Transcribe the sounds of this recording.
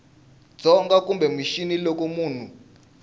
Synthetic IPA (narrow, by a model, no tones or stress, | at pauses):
d͡zʱɔŋɡak̬ʼumbɛmiʃinilok̬omuːn̤u